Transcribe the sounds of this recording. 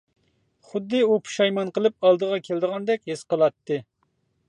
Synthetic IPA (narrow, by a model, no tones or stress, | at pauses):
χʊd̪ːɨupʰu̥ʃɑjmɑnqəlˠɨp̚ɑlˠd̪əʁɑkʲʰeld̪əʁɑnd̪ɛkʲɦesqəlˠɑt̪ːɨ